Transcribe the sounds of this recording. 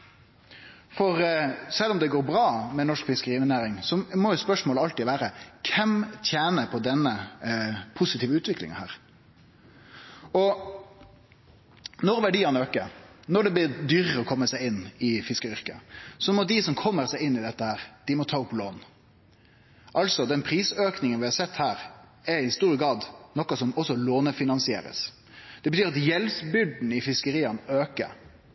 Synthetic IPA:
fɔɾsɛlːɔmd̪ɛɡoːɾbɾɑːmɛnɔʂkfɪskəɾiːmɪnæːɾɪŋsɔmɔjʊspœʂmoːləɑlt̪iʋæːɾəkʰɛmt̪ʰjæːnəpʰɔd̪ɛnːə | pʰʊsɪt̪ʰiːʋəʉːt̪ʋɪklɪ̰ŋɑhæ̰ːɾ | ɔ | nɔɾʋæɖiːɑnøːkəɾnɔɖ̪ɛblɪɾd̪yːɾəɾəɔkʰɔmːəsæɪɪnːɪfɪskəɾʏʁkə̰sɔmɔd̪ɪsɔmkʰɔmːəɾsæɪɪnːɪd̪ɛt̪ːəhæːɾd̪̥ɪmɔt̪ʰɑːʊploːn | ʔɑlsɔd̪ɛnpʰɾiːsøːknɪŋənʋɪhɑɾsɛt̪ːhæːɾ | ɛɪst̪uːɾəɡɾɑːd̪nɔkːɑsɔmɔsːɔloːnəfɪnɑnsɪḛːɾə̰s | d̪̥ɛbət̪yːɾɑt̪jɛlsbʏɖ̪n̩ɪfɪskəɾiːɑnøːkə̰

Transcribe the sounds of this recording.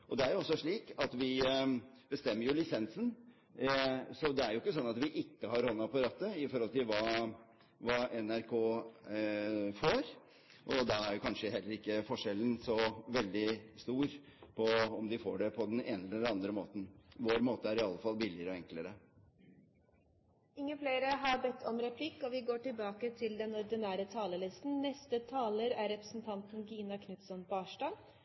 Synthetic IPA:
ʔɔd̪ɛæɾjʊɔsːɔʂɭiːkɑt̪ʋɪ | b̥əst̪ɛmːəɾjʊlɪsɛnsən | sɔd̪ɛæɾjʊɪkːəs̬ɔnːɑt̪ʋɪʔɪkːəɦɑɾhɔnːɑpɑɾɑːt̪ːəɪfɔɾhɔlt̪ɪlʋɑː | ʋɑːɛnæɾkʰoː | foːɾ | ʔɔd̪ɑæɾjʊkʰɑnʂəɦɛlːəɾɪkːəfɔʂɛlːənsɔʋɛld̪ɪst̪uːɾpʰɔɔmd̪ɪfo̰ːɖɛpʰɔd̪ɛneːnəɛlɛlɑnd̪ɾəmoːt̪ənʋoːɾmoːt̪əæɾɪɑlːəfɑlbɪlɪəɾəɔɛŋkləɾə | ɪŋːəfleːɾəɦɑɾbɛt̪ʰːɔmɾɛpʰlɪkːɔʋɪɡoːʈɪlbɑːkət̪ʰɪld̪ɛnɔɾd̪ɪnæːɾət̪ʰɑːləlɪst̪n̩nɛst̪ət̪ʰɑːləɾæɾːɛpɾəsnt̪ʰɑnt̪n̩ɡiːnɑkʰnʉt̪sɔnbɑːʂɖɑː

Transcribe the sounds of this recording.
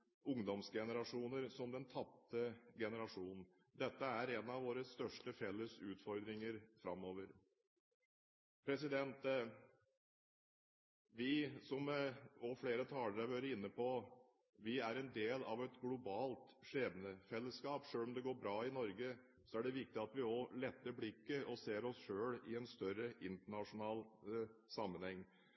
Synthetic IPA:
ʔʊŋd̪ɔmsɡɛnəɾɑʂuːnəɾsɔmd̪ɛnt̪ʰɑp̚t̪əɡɛnəɾɑʂuːnn̩ | d̪ɛt̪ːəæɾɛnɑʋoːɾəst̪œʂʈəfɛlːəsʉːt̪fɔɾd̪ɾɪŋəɾfɾɑ̰mːoːʋəɾ | pʰɾɛsɪd̪ɛnt̪ | ʋɪsɔmɔfleːɾət̪ʰɑːləɾɑʋøɾəɪnːəpʰɔ | ʋɪæɾɛnd̪eːlɑ̰ʋɛt̪ɡlʊbɑːlt̪ʂeːʋənəfɛlːəskɑːpʂøːlɔmd̪ɛɡoːɾbɾɑːɪnɔɾɡə | sɔæɖɛʋɪk̚t̪ɪɑt̪ʋɪɔlɛt̪ːəɾblɪkːəʔɔseːɾɔsʂøːɽɪɛnst̪œɾəʔɪnt̪əɳɑʂʊnɑːlsɑmːənhɛŋː

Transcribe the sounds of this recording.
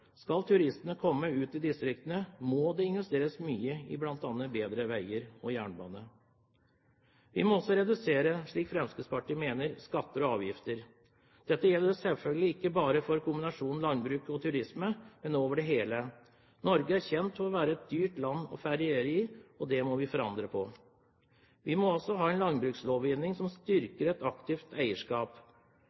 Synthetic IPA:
skɑlt̪ʰʉɾɪst̪ənəkʰɔmːəʉːt̪ɪd̪ɪst̪ɾɪk̚t̪ənəmoːd̪ɛɪnʋɛst̪eːɾəsmyːəɪ̰blɑnt̪ɑːnːəbeːd̪ɾəʋæɪəɾɔjæːɳbɑ̰ːnə | ʋɪ̰mɔɔsːɔɾɛd̪ʉseːɾəʂɭiːkfɾɛmsk̪əspɑʈiːmeːnəɾskɑt̪ːəɾɔɑːʋjɪft̪əɾ | d̪̥ɛt̪ːəjɛlːəsɛlfœlɡəlɪɪkːəbɑːɾəfɔɾkʰʊmbɪnɑʂuːnn̩lɑnbɾʉːkɔt̪ʰʉɾɪsməmɛnoːʋəɖɛɦeːlə | nɔɾɡəæɾçɛnt̪fɔɔʋæːɾəɛt̪̚d̪yːʈlɑnːɔ̰fæɾɪeɾɪɔd̪ɛmɔʋɪfɔɾɑnd̪ɾəpʰɔ | ʋɪmɔɔsɔɦɑːɛɪnlɑnbɾʉːksloːʋɪːnɪŋsɔmst̪ʏɾkəɾɛt̪ɑkt̪ɪft̪ʰæɪəʂkɑːp

